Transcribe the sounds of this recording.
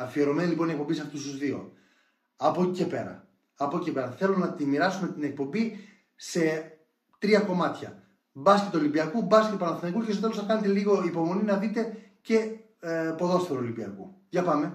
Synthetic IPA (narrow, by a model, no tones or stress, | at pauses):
ɐfie̞ɾo̞meniliponiekpo̞mbisɐft̪ust̪uzðio̞̰ | ɐpo̞ice̞pe̞̰ɾɐ̰ː | poccepe̞ɾɐθe̞lunɐt̪imiɾɐsume̞t̪ine̞k̚po̞mbi | se̞ | t̪ɾiɐko̞mɐt̪çɐ̰ | bɐskcet̪olibiɐkubɐsket̪opɐnɐθonɐikucest̪ot̪elosɐkɐnet̪e̞liɣo̞ipo̞mo̞ninɐðit̪e̞ce̞ | po̞ðo̞st̪eɾolibiɐ̰kṵʝɐpɐme̞